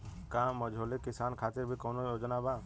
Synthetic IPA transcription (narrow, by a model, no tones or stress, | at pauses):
kãːməd͡ʒʱoːlekɪsaːnkʰaːt̪ɪɾbʱikɔːnojoːd͡ʒnabaː